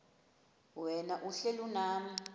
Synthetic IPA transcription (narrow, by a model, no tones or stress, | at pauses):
wɛnaʔuɬelunaːm̩